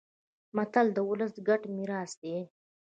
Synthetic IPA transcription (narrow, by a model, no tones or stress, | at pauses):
mat̪ald̪əwʊləsɡaʈmiɾɑːsd̪e